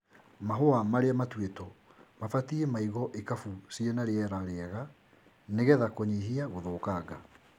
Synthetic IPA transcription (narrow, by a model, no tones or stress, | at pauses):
maɦoamaɾeamatwetɔ | mafatiemaiɣɔʔekafusiɔnaɾeɛɾaɾeɛɣa | neɣɛðakoɲiɦiaɣoðoːkaɡa